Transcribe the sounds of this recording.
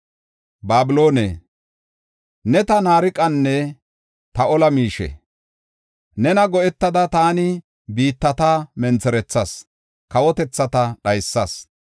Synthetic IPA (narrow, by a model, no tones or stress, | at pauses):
baːbɪloːnḛ | nɛt̪ɐnaːɾɪkʼɐnːɛ | t̪ɐɔlɐmiːʃɛ̰ | nɛnɐɡɔʔɛt̪ːɐd̪ɐt̪aːnɪ | biːt̪ːɐt̪aːmɛnt͡sɛɾɛt͡sːɐs | kɐwɔt̪ɛt͡sːɐt̪ɐɗɐjsːɐs